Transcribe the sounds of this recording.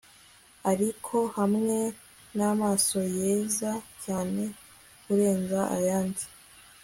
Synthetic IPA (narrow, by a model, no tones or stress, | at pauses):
aɾikʰo̞hamŋe̞ | namaːso̞jeːzacaːne̞ | kuɾe̞ːnzaʔa̰jaːndi̥